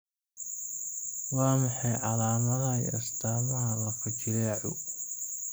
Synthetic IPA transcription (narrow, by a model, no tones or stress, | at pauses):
wɑːmɑħɑjʕɑlaːmɐðɐjɐ̰st̪ʰaːmɐɦɐlɐfɐt͡ʃɪɾɐaʕʊ̰